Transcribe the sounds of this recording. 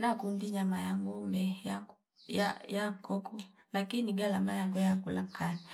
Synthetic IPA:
nakumbiɲamajaŋɡumbɛja | jajaŋ̩kɔkɔ | lakiniɡalamajaŋɡɛjakula̰ŋkani

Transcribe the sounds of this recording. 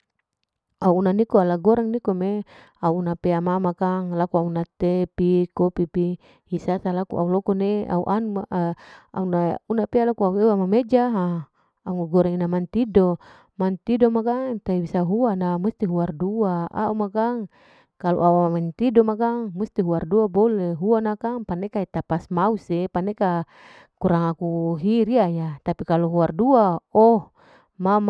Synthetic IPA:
auːnanikoalaɡɔɾaŋnikome | auːnapeamamakaŋlakuaunat̪epikopipi | hisasalakuʔaulɔkonea̰ṵʔanumaa̰unaunapealakuauewamamed͡ʒaɦa | auŋaɡɔɾaŋinamant̪ido | mant̪idomaɡaŋt̪aibisaɦuanamust̪iɦuarduaa̰umaɡaŋ | kalṵʔawaamant̪idɔmaɡaŋmust̪iɦuarduaboleɦuanakaŋpanɛkait̪apasmausepanɛka | kuɾaŋakuɦiɾiajat̪apikaluɦuarduaɔ | mam

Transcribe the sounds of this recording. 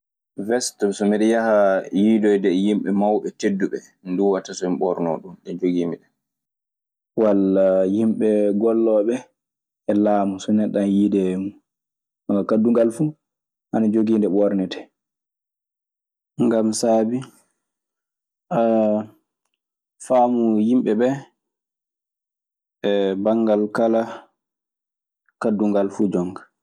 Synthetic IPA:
vɛstɔsɔmɛɗɛjahajiːdɔjdɛjimɓɛmawɓɛtedːuɓɛ | nduwatːasɔɛmɓɔɾnɔ̰ɗumɗɛd͡ʒoɡiːmiɗɛ | walajimɓɛɡɔlːɔɓɛ | ɛlaːmusɔnɛɗːanjiːdɛmu | aŋɡakadːuŋɡalfu | hanad͡ʒoɡindɛɓɔɾnɛtɛ̥ | ŋɡamsaːbi | a | faːmujimɓɛɓɛ | ʔɛbaŋɡalkala | kadːuŋɡalfud͡ʒɔŋɡ

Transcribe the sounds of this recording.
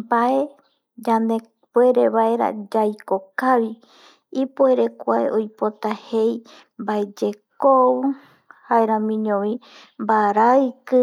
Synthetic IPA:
mbae | d͡ʒand̪e̞ | pwe̞ɾe̞βaeɾa̰d͡ʒajko̞kaβi | ipoeɾe̞kʷaḛʔojpo̞t̪ahe̞j | mbaed͡ʒe̞kowo | haeɾãmĩɲõβĩ | mbaɾaɨkɨ

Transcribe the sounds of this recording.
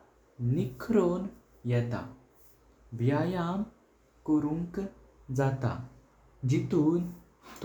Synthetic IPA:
nikʰɾon | jɛt̪a̰ | bjajam | kəɾuŋk | d͡zat̪a̰ | d͡ʑit̪uːn | t̪

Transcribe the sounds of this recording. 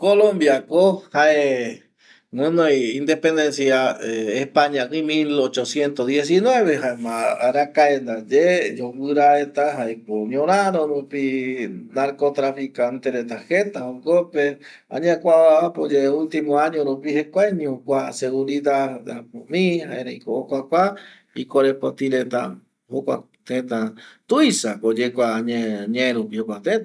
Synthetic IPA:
kolombjakohae | nɨ̃nojind̪epend̪ensjaeehpaɲãĩmilot͡ʃosjent̪oðjes̬inweβehaemaaɾakaend̪ad͡ʒed͡ʒowɨɾaet̪aɦaeponj̃õɾaɾoɾopinaɾkot̪ɾafikant̪eɾet̪aɾxet̪ahokope | ã̰ɲẽkʷaaapod͡ʒeult̪imõãɲõɾupihekʷaeɲõkʷaseɾuɾiðaapomĩha̰eɾajkoːkʷakʷa | ḭkoɾepot̪iɾet̪a̰ | hokʷa̰ | t̪ẽt̪ãt̪ujsakod͡ʒekʷaːɲẽɲẽẽɾupihokʷat̪et̪a

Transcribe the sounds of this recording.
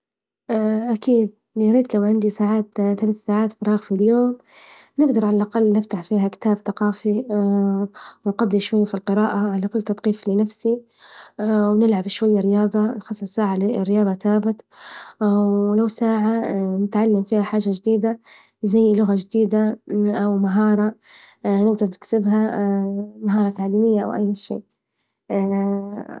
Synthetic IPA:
ʔakiːd̪̚ | liɾiːt̪lawʕɪnd̪isaːʕaːt̪θalaːθsaːʕaːt̪fɑɾˤɑːɣfiljoːm | nɪɡd̪ɑɾˤʕalalʔaqɑlːnɪft̪aħfiːɦakɪ̥t̪aːbθaqɑːfi | wnqɑd̪ːiʃwajːafilqɨɾɑːʔaʕalaqalːt̪ɑt̪ˤqiːflɪnafsi | wnɪlʕabʃwajːaɾɪjɑːd̪ˤɑxassaːʕalirːɪjɑːd̪ˤɑt̪aːbɪt̪ | wlawsaːʕanɪt̪ʕalːamfiːhaħaːʒad͡ʒɪd̪iːd̪a | zajːlʊɣad͡ʒd̪iːd̪aʔawmaɦɑːɾˤɑ | nɪɡd̪anɪksɪbɦa | maɦɑːɾˤɑt̪aʕliːmɪjːaʔa̰wʔa̰jːʃḛː

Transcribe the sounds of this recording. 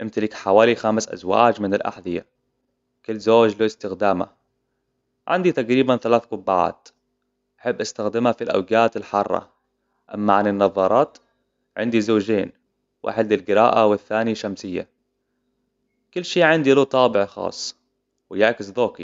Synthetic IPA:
ʔɪmt̪alɪkħawaːlixamsʔa̰zwa̰ːd͡ʒmɪnɪlʔa̰ħðɪja̰ | kʊlːzoːd͡ʒluːɪst̪ɪxd̪aːma̰ | ʕɪ̰nd̪it̪aqɾiːbanθalaːθqʊbːʕa̰ːt̪ | ʔaħabːʔast̪axd̪ɪmafilʔa̰wɡaːt̪ɪlħɑrˤːɑ̰ | ʔa̰mːaʕanɪnːɑðˤːɑɾˤɑːt̪ | ʕɪnd̪izoːd͡ʒeːn | wʔa̰ħɪd̪ɪlɡɪɾa̰ːʔawɪθːaːnɪiʃamsɪjːa̰ | kʊlːʃiːʕɪnd̪iluːt̪ˤɑːbɪʕxɑ̰ːsˤː | wɪjaʕkɪzðoːkḭ

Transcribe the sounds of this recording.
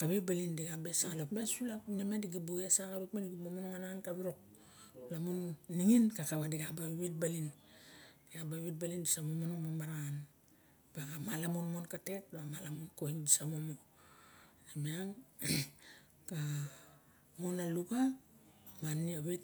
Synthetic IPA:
kaβit̚balindiɡabesalok̚besulanemediɡibuɡesakaɾokmediɡibomonŋanankaβiɾok̚ | lamunːiŋinkakaβadiɡabaβiβit̚balin | d̥iɡabaββit̚balindisamomonomomaɾan | b̥aɡamalamunmonkate̞t̚bamalamunkojndisamomo | nameaŋ | ka | monaluba | maniaβit

